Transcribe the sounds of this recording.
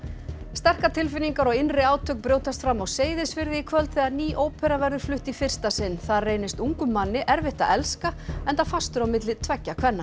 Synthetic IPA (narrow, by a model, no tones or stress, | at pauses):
st̪ɛr̥kat̪ʰɪlfɪnːiŋkaɾɔɣɪnrɪaːwt̪ʰœk̚pɾjoːwt̪ast̪fɾamːɔɣseːjðɪsvɪɾðɪikʰvœlt̪θɛðaðniːʔoːwpʰɛɾavɛɾðʏɾ̥flʏht̪ifɪr̥st̪asɪnːθaðreːjnɪst̪uŋkʏmːanːɪʔɛɾvɪht̪a̰ɛlskaɛnt̪afast̪ʏɾawmɪt̪̬lɪt̪ʰvɛcːakʰvɛnːa